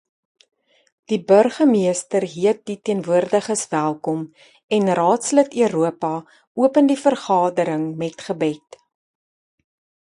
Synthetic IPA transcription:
d̥ibœrχəmiəstərɦiət̚ditiənvuərdəχəsvælˠkɔm | ɛnrɑːtslətyəɾuəpɐ | uəpəndifərχɑːdəɾəŋmɛtχəbɛt

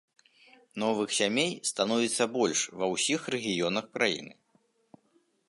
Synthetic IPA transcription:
nɔvɨxsʲamʲejst̪anɔvʲit̪sːɐbɔlʲʂvɐwsʲixrɛɣʲijɔnɐxkɾajḭnɨ̰

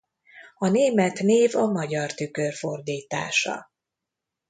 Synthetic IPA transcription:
ɒneːmɛt̪neːvɒmɒɟɒrt̪ykørfo̞rd̪iːt̪a̰ːʃɒ̰

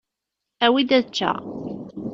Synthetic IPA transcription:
æwid̪æðt͡ʃːæ̰

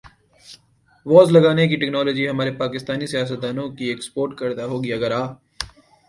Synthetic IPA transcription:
ʋɔːzlɐɡaːnek̬iʈɛknɔːlɔːd͡ʒiɦɐmaːɾepaːkɪst̪aːnisijaːs̬ət̪̚d̪aːnõkiekspoːɾʈkɐɾd̪aɦoːɡiɐɡəɾaː

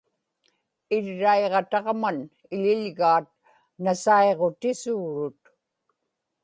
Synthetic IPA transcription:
ɪɻːaeʁɑt̪ɑʁman | ɪʎɪʎɣaːt̪̚ | nasaeʁo̞t̪ɪsuːɻʊt̪

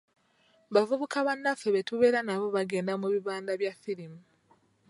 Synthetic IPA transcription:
βavuβukaβanːafeβetuβe̞ːɾanaβo̞βaɡe̞ːndamuβiβaːndaβjafilimu

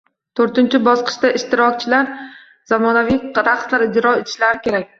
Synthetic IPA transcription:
t̪ʰoɾt̪ɪnt͡ʃʰɪbɒsqɨ̥ʃt̪aʔɪʃt̪ɪɾɒk̚ʲt͡ʃʰɪlaɾ | z̥amɒnavijɾaqslaɾɪd͡ʒɾɒe̞t̪ʰɪ̥ʃlaɾɪkʲʰe̞ɾak̚ʲ

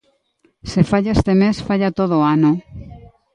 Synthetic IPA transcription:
sefaʎaest̪emesfaʎat̪oð̞oano

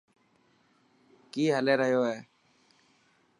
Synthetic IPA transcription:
kiːɦəleːɾəɦjoːɦɛː

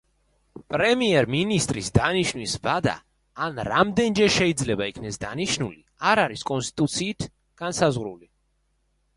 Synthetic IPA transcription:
pʼɾɛmiɛɾminist̪ʼɾisd̪aniʃnwisvad̪a̰ː | nɾamd̪ɛnd͡ʒɛɾʃɛid̪zlɛbaikʰnɛsd̪aniʃnuli | aɾaɾiskʼɔnst̪ʼit̪ʼut̪sʰiːt̪ʰ | ɡ̥ansazʁɾuli

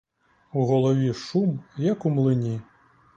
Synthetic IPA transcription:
uɣɔlˠɔʋʲiʂumjɐkumlˠɪnʲi

